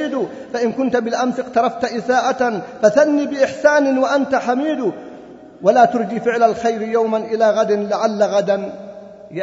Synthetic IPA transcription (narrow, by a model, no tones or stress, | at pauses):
iːd̪ʊ | faʔɪnkʊnt̪bɪlʔamsɪqt̪ɑɾˤɑft̪ʔɪsaːʔafaθanːiːbɪʔɪħsaːnɪwaʔant̪aħamiːd̪ʊ | walaːt̪ʊɾˤd͡ʒiːfɪʕlalxajɾɪjawmanʔɪlaːɣad̪ɪnlaʕalːaɣad̪an | j